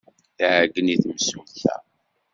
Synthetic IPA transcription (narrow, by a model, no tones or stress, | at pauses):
θʕɡːəniθməsulθæ̰